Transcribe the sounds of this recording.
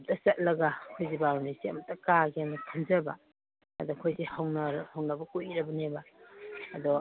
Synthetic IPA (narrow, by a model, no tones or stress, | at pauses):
p̚tɐsɐt̚lɐɡakʰojzibaɾunisiɐ̰mɐtːɐkaɡiɐmɐkʰɐnzɐbɐ̰ | ɐ̰dɔkʰojzihɐwnɐɾhɐwnɐbɐkujɾɐbɐnebɐː | dɔ